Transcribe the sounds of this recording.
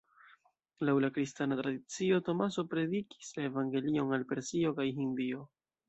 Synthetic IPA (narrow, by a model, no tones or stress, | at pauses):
lawlakɾistanatɾadit͡sio̞to̞maso̞pɾe̞diki̥slaevaŋɡe̞lio̞nalpe̞ɾsio̞kajɦindio̞